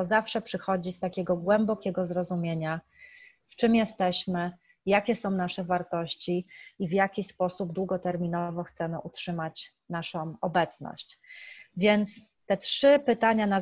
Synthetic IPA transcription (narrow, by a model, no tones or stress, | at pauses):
ɔzafʂɛpʂɘxɔd͡ʑist̪akʲɛɡɔɡwɛmbɔkʲɛɡɔzɾɔzumʲjeɲa | ft͡ʂɘmjɛst̪ɛɕmɘ | jakʲɛsɔ̃w̃naʂɛvaɾt̪ɔɕt͡ɕiivjakʲispɔsubd̪wuɡɔt̪ɛɾmʲinɔvɔxt̪sɛmɘʔutʂɘmat͡ɕ | naʂɔ̃w̃ɔbɛt̪snɔ̰ɕt͡ɕvʲjɛnt̪s | t̪ɛtʂɘpɘt̪aɲana